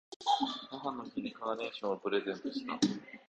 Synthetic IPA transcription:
haɦanːosinʲikaβane̞ːɕõɰ̃opɯ̟ɾe̞zẽ̞nt̪oɕi̥t̪a̰

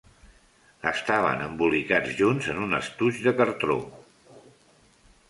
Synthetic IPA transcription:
əst̪aβ̞ə̰nəmbulikad͡zʒunzənunə̰st̪uʒðəkəɾt̪ɾo̰

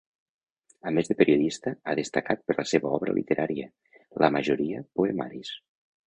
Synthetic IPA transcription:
əmezðəpeɾioðist̪əaðest̪əkat̪̚pəɾləseβəɔβɾə̰lʔḭt̪əɾʔaɾiə | lʔəməʒoɾiəpoema̰ɾis

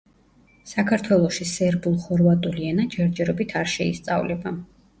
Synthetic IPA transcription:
sakʰaɾt̪ʰwɛlˠɔʃisɛɾbulˠχɔɾvat̪ʼuliɛnad͡ʒɛɾd͡ʒɛɾɔbit̪ʰaɾʃɛḭst̪sʼa̰vlɛba

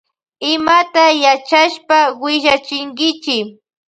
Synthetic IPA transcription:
ɪmat̪ajat͡ʃaʃpawɪʒat͡ʃɪŋkɪt͡ʃɪ

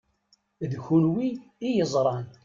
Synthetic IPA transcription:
ðçunwiːjəzˤɾˤɑn

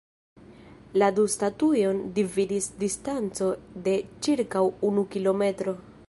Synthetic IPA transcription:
ladustatujo̞ndividisdistant͡so̞de̞t͡ʃiɾkawunukilo̞me̞tɾo̞

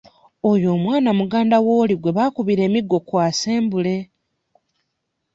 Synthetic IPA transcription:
ojo̞ːmwaːnamuɡaːndawoːliɡwe̞βakuβiɾe̞ːmiɡːo̞kwaːseːmbule̞

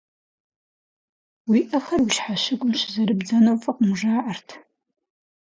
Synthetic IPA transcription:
wiːʔɐxɐrwʊʃħaɕɪɡʷʼʊmɕɪzɐɾɨbd͡zɐnɐwfʼɐqʷʊmʐaːʕartʰ

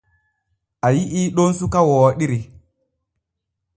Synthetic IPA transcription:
ajiʔiɗonsukawɔːɗiɾi

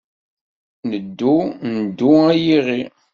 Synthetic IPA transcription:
nəd̪ːunəd̪ːuæjiʁi

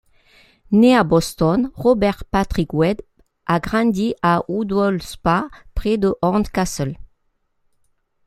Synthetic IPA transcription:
neabɔst̪ɔnʁɔbɛʁpat̪χikwɛd̪ | ʔaɡʁɑ̃d̪iʔaud̪ɔlspapχed̪əʔɔʁt̪kasɛl

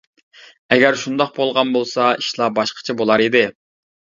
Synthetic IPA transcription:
ɛɡʲæɾʃund̪ɑq̚bolˠʁɑnbolˠsɑiʃlˠɑbɑʃqʰə̥t͡ʃʰɛbolˠɑɾid̪ɪ

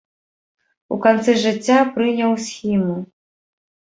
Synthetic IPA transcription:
ṵkant̪sɛʐɨt͡sʲːapɾɨnʲɐwsʲxʲimu

